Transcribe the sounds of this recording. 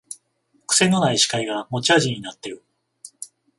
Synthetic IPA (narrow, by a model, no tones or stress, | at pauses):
kɯ̟̥se̞nːo̞naiɕi̥kaiɡamo̞t͡ɕiaʑĩɲ̟ːinat̪ːe̞ɾɯ̟